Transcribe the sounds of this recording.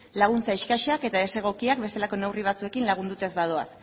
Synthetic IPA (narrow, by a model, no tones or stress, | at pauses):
laɣ̞unt͡saiʃkaʃake̞t̪aese̞ɣ̞o̞kiak̚be̞st̪elako̞ne̞wriβ̞at͡sue̞kinlaɣ̞und̪ut̪e̞zβaðo̞a̰s